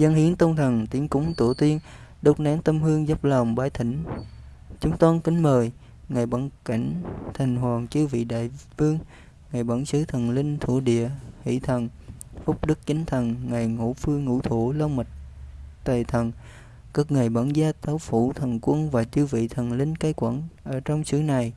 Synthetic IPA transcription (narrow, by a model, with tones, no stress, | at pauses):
za˧nhi˨˦ənt̪ə˧wŋ͡mt̪ʰə˨˩ŋt̪i˨˦əŋkʊ̰˧˦ŋ͡mt̪ṵ˧˩ət̪i˧ən | ɗə˦˥wk͡p̚naː˨˦ŋt̪ə˧mhɨ˧əŋzə˦˥p̚lə˨˩wŋ͡mɓaː˧˩˦jt̪ʰï˧˦ŋ̟ | t͡ɕʊ˨˦ŋ͡mt̪wa˧nkï˨˦ŋ̟məː˨˩j | ŋaː˨˩jɓaː˧˦nka˧˩jŋ̟t̪ʰa˨˩jŋ̟ɦwaː˨˩ŋt͡ɕɨ˨˧˦vḭ˧˨ɗa̰ː˧˨jfɨ˧əŋ | ŋaː˨˩jɓaː˧˩nsɨ˨˦t̪ʰə˨˩nlï˧ŋ̟t̪ʰṵ˧˩ɗḭ˧˨əhḭ˧˥t̪ʰə˨˩nfʊ˦˥k͡p̚ɗɨ˦˥k̚t͡ɕï˨˦ŋ̟t̪ʰə˨˩nŋa˨˩jŋṵ˧˥fɨ˧əŋːṵ˧˥t̪ʰu˧˩˦lə˧wma˨˩t̚t̪ə˨˩t̪ʰə˨˩n | ka˦˥k̚ŋa˨˩jɓaː˧˩nzaː˧t̪aː˨˦wfu˧˩t̪ʰə˨˩nkwə˧nvaː˨˩t͡ɕɨ˧vḭ˧˨t̪ʰə˨˩nlï˧ŋ̟kaː˨˦jkwa˧˩nʔəː˧˩t͡ɕɔ˧wŋ͡msɨ˧˦na˨˩j